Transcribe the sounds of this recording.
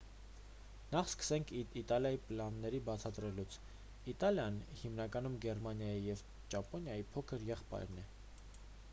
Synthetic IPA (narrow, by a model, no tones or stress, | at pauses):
nɑχskə̥sɛŋkʰit̪ɑljɑjiplɑnːɛɾibɑt͡sʰɑt̪ɾɛlut͡sʰ | it̪ɑljɑnhimnɑkɑnumɡɛɾmɑnjɑjijɛv | t͡ʃɑpɔnjɑjipʰɔkʰəɾjɛχpɑ̰jɾnɛ